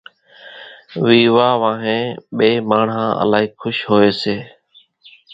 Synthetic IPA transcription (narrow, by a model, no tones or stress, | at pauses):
ʋiːʋaːʋãːɦẽːɓeːmaːɳɦãːə̰laːɦiːkʰʊʃɦoːeːseː